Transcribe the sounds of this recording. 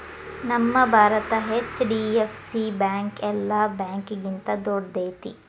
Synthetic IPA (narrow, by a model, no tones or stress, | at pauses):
nɐmːɐbʱaːɾɐt̪ɐɦet͡ʃːɖiːefsibɛːŋkɛlːabɛ̃ːŋkɡint̪ɐd̪oːɽd̪eːt̪ḭ